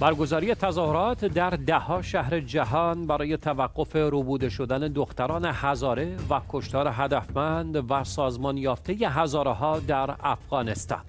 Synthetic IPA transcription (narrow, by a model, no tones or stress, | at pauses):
bæɾɡo̞zɒːɾije̞t̪ʰæzɒːhoɾɒːt̪ʰd̪æɾd̪æhɒːʃæhɾe̞d͡ʒæɦɒːnbæɾɒːje̞t̪ʰævæɡːo̞fe̞ɾubuːd̪e̞ʃo̞d̪æne̞d̪oxt̪æɾɒːne̞hæzɒːɾe̞vækʰo̞ʃt̪ɒːɾeɦæd̪æfmænd̪væsɒːzmɒːnjɒːft̪ʰe̞je̞ɦæzɒːɾeɦɒːd̪æɾæfɣ̥ɒːnest̪ɒ̰ːn